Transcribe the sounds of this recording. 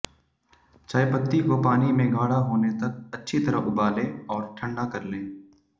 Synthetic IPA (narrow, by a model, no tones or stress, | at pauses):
t͡ʃaːjpət̪ːikopaːnimẽɡʱaːɽaɦoːnet̪ɐk̚ɐtːʃʰit̪ɐɾəɦʊbaːlẽːɔːɾʈʰə̃ɳɖakɐɾlẽː